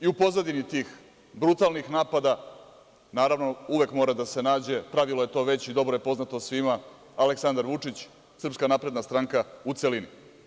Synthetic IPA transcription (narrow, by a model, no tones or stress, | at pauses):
iupo̞zad̪init̪iːx | bɾut̪alˠnixnaːpad̪a | naːɾaʋno̞uʋe̞kmo̞ːɾad̪ase̞naːd͡ʑe̞pɾaʋilˠoje̞t̪o̞ːʋe̞t͡ɕid̪o̞bɾojepo̞znat̪osʋima | aleksand̪aɾʋut͡ʂit͡ɕ | srpskanapɾe̞d̪nast̪ɾaŋkaut̪selini